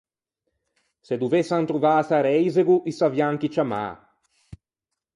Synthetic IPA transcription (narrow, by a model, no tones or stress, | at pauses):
sed̪uvesːant̪ɾuvaːsaɾɛjzeɡuʔisavjaŋk̟it͡ʃama̰ː